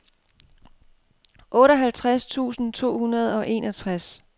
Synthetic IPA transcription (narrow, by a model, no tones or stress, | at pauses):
ʔɔ̽ːɾɒɦælt͡sʰʁast͡sʰṵːsn̩t͡sʰo̝̰ːhunɐð̞̩ˠɒ̽ʔe̝ːnɒt͡sʰʁas